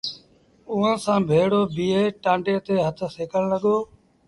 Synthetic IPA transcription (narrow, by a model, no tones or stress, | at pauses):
ʊːãːsãːbʱeːɽoːbiːeːʈãːɳɖeːt̪eːɦət̪ʰseːkəɳləɠoː